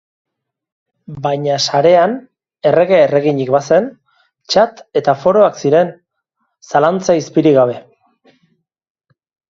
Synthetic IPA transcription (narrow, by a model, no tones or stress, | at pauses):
baɲasaɾe̞an | e̞re̞ɣe̞ere̞ɣ̞iɲikbase̞n | t͡ʃat̪e̞t̪afo̞ɾo̞aksiɾe̞n | salant͡saispiɾiɣaβ̞e̞